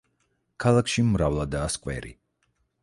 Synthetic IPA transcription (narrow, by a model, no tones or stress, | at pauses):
kʰalˠakʰʃimɾavlˠad̪aːskʼwɛ̰ɾḭ